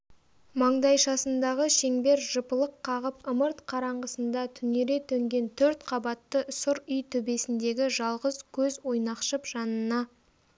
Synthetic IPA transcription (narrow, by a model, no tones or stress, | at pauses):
mɑɴd̪ɑjʃɑsənd̪ɑʁəʃe̞ŋbe̞ɾʒəpəlˠəqʰːɑʁəpəməɾt̪qʰɑɾɑɴʁəsənd̪ɑt̪ʰʏne̞ɾe̞t̪ʰɵŋɡʲe̞nt̪ʰɵɾt̪qʰɑbɑt̪ːəsʊɾʏjt̪ʰɵbe̞sɪnd̪e̞ɡʲɪʒɑlˠʁəzkʲʰɵzwo̞jnɑqʃəpʒ̥ɑnənɑ